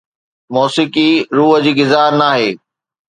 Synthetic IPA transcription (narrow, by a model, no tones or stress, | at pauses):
mɔːsɪkiɾuːɦə̆d͡ʑiːɡɪzaːɾnaːɦeː